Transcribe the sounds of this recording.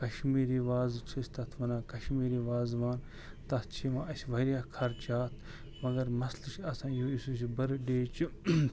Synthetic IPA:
kɐʃmiːɾiːʋaːzt͡ʃʰisʲt̪ɐt̪ʰʋɐnãːkɐʃmiːɾiːʋaːzʋaːn | t̪ɐt̪ʰt͡ʃʰiʋãːʔɐsʲʋɐɾjaːkʰɐɾt͡ʃaːt̪ʰ | mɐɡɐɾmɐslɨʃɐsãːjoːisusibɐɾɖeːt͡ʃi

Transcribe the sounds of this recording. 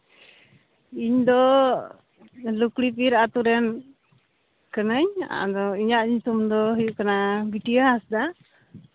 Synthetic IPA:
iɲd̪ɔ | lukɽipiɾat̪uɾɛn | kənəɲa̰d̪ɔiɲaʔɲut̪umd̪ɔɦujuʔkanabiʈijaasd̪a

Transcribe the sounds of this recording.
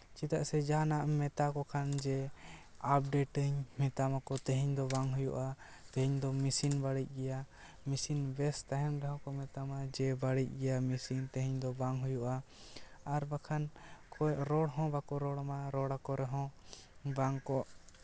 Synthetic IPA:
t͡ʃit̪aʔsɛd͡ʒaɦanaʔmɛt̪akɔkʰand͡ʒɛ | ap̚ɖɛʈəɲmɛt̪amakɔt̪ɛɦiɲd̪ɔbaŋɦujṵʔa | t̪ɛɦiɲd̪ɔmisinbaɽic̚ˀɡɛja | misinbɛst̪aɦɛmdaɦɔ̃kɔmɛt̪amad͡ʒɛbaɽic̚ˀɡɛjamisint̪ɛɦiɲd̪ɔbaŋɦujuʔa | aɾbakʰankʰɔʔɾɔɽɦɔ̃bakɔɾɔɽamaɾɔɽakɔɾɛɦɔ̃baŋkɔʔ

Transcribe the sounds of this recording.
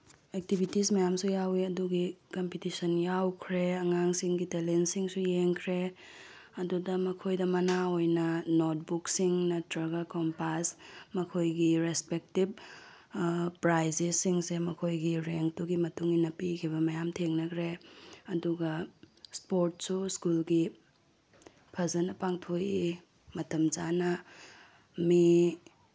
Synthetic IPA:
ek̚tibʱitismɐjamsujawiɐduɡikɐmpitisɐnjawkʰɾeɐŋaŋsiŋɡitelensiŋsujeŋkʰɾe | ɐdudɐmɐkʰojdɐmɐnaojnɐnot̚buksiŋnɐtɾɐɡakompasmɐkʰojɡiɾespek̚tib̚ | pɾajzesiŋsemɐkʰojɡiɾeŋtuɡimɐtuŋinɐpikʰiβɐmɐjamtʰeŋnɐkʰɾeɐduɡɐspoɾt̚suskulɡi | pʰɐzɐnɐpaŋtʰoji | mɐtɐmd͡ʒanɐ | mi

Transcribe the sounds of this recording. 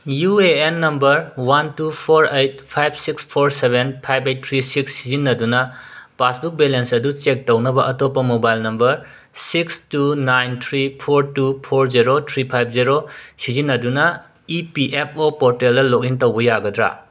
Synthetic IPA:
jueːnːɐmbɐɾwantupʰoɾejt̚pʰajb̚ʰsikspʰoɾsebenpʰajbejt̚tʰɾisiksːizinːɐdunɐpasbuk̚belensɐdut͡ʃek̚townɐbɐʔɐtopːɐmobajlnɐmbɐɾ | sikstunajntʰɾipʰoɾtupʰoɾziɾotʰɾipʰajp̚ʰziɾosizinːɐdunɐ | ipiʔep̚ʰopoɾteldɐlokintɐwbɐjaɡɐdɾa̰

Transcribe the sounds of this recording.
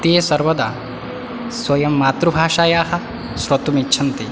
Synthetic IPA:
t̪eːsɐɾʋɐd̪aː | swɐjɐmːaːt̪ɾubʱaːʃaːjaːɦɐ | sɾɐt̪umitːt͡ʃʰɐnt̪i

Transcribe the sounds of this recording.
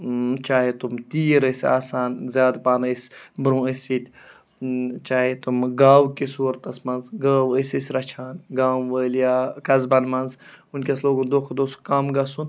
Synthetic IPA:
t͡ʃaːɦet̪umt̪iːɾəsa̰ːsaːnzʲjaːd̪paːnəsʲbɾũːəsʲit̪ʲ | t͡ʃaːɦet̪umɡaːwkisuːɾt̪ɐsmɐnzɡaːwəsisɾɐt͡ʃʰaːnɡaːʋəːljaːkɐzbɐnmɐnzunkʲɐsloːɡund̪oːkʰd̪oːskɐmɡɐsun

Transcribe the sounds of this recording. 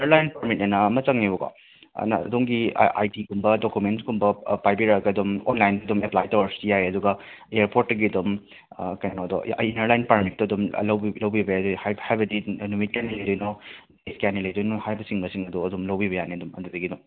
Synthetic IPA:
iɐɾlajnpaɾmit̚nɐnɐmɐt͡ʃɐŋnibɐkɔ̰ | na̰ɐ̰duŋɡḭʔa̰jdiɡumbɐdokumentsɡumbɐpajbiɾɐkɐɐdumonlajndɐɐdumeplajtowɐɾsijajɐduɡɐ | eeɾpoɾtːɐɡiɐdum | kɐjnnɔdɔinɐɾlajnpaɾmit̚tɐɐdum̰lɐwbilɐwbibɐadhajhajbɐdinumit̚kjanilɐjdɔjnɔdeskjanilɐjdɔjnɔhajbɐsiŋbɐsiŋɐduɐdumlɐwbiβɐjaniɐdumɐ̰dudɐɡidum

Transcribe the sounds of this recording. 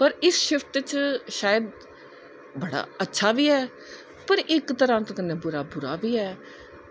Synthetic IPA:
pəɾɪsʃɪft̪t͡ʃʃaːjəd̪ | bəɽa̰ːətːʃʰaːʋiːɛː | pəɾɪkt̪əɾãːt̪ːkənːẽːbʊɾaːbʊɾaːbiːɛː

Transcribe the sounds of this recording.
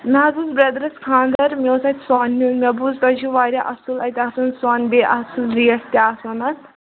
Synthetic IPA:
miɦɐzuzbɾɐd̪ɐɾɐskʰãːnd̪ɐɾmʲoːsɐt̪ʲswaːnumʲɐbuzt̪ɐd͡ʒuʋaːɾʲaʔɐsulɐjt̪ʲasɐnsaːnbeʔɐsuzɾiːɐʈt̪ʲaːsɐnɐn

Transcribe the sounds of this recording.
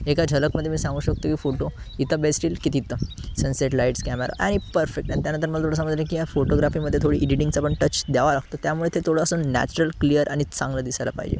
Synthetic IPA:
ekad͡ʑʱələkməd̪ʱjemiːsãŋɡuːɕək̚t̪okiːfoʈoit̪ʰəbesʈiːlkit̪iːt̪əsənseʈlaiʈskæmeɾa̰ʔaɽ̃ipəɾfek̚ʈañit̪̬janə̃nt̪əɾməlat̪ʰoɽəs̬aməd͡zlekijafoʈoɡɾafiːməd̪ʱːet̪ʰoɽiːʔiɖiʈiŋɡsapəɳʈət͡ɕd̪aʋalaɡt̪ot̪jamuɭet̪ʰet̪ʰoɽasuːnːæ̰t͡ɕɾəlklijəɾʔaɽ̃it͡sãŋɡləd̪isajla̰pa̰ɦid͡ʑḛ

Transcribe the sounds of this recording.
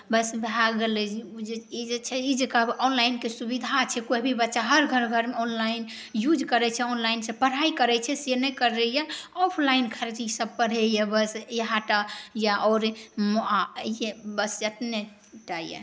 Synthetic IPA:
bəsbɦaɡelɛd͡ʒd͡ʒeid͡ʒet͡ʃʰɛid͡ʒekaɔnlainkesubid̪ʱat͡ʃʰɛkoibʱibətːʃaɦəɾɡʱəɾɡʱəɾmeɔnlain | jud͡ʒkəɾɛt͡ʃʰɛɔnlainsẽpəɽ̤aikəɾɛt͡ʃʰɛsenɛkəɾɛjaɔpʰlainkʰaɾet͡ʃʰisəb̚pəɽ̤ɛjɛbəsjəɦãʈajaʔɔɾmoajebəsd͡ʒət̪ne | ʈajḛ

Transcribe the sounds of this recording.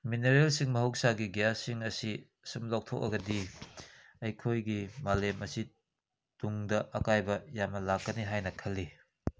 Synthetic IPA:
mineɾelsiŋmɐɦɐwk̚saɡiɡijasiŋɐsi | sumlok̚tʰo̰k̚ɐ̰ɡɐdi | ɐjkʰojɡimalemɐsi | tuŋdɐʔɐkajbɐjamɐlakːɐniɦajnɐkʰɐlːi

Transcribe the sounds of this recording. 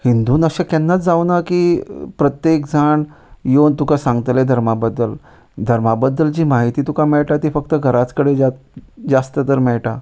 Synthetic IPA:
hind̪uːnəɕãkanːat͡sd͡zawnakiːpɾət̪jek̚d͡zʱaɳ | jont̪ukasãŋɡt̪led̪ʱəɾmabəd̪ːəl | d̪ʱəɾmabəd̪ːəld͡ʑiːmaɦit̪iːt̪ukamɛɭʈat̪iːfək̚t̪əɡʱəɾat͡skəɽed͡ʑat̪d͡zast̪ət̪əɾmɛɭʈa

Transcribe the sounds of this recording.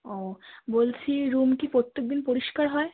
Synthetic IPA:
oːboːlt͡ʃʰiɾuːmkipot̪ːək̚d̪ɪnpuɾɪʃkəɾɦɔe

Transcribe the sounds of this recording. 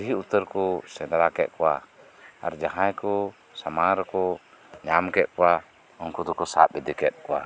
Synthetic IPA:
diɦiut̪əɾkɔsɛnaɾakɛʔkuwa̰ | a̰ɾd͡ʒaɦajkɔ | samaɾkɔ | ɲamkɛʔkua | ɔŋkut̪ɔkɔsa̰ʔbid̪ikɛt̪̚kua̰

